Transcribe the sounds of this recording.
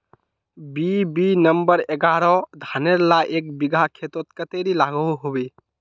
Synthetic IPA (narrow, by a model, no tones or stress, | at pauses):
bibinəmbəɾeɡaːɾɔd̪ʱaːneɾlaʔeːk̚bɪɡʱakʰet̪ot̪̚kət̪eɾilaːɡoɦuɦobe